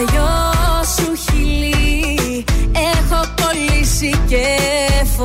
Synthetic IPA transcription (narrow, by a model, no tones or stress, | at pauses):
ʝosuçili | exot̪olisicef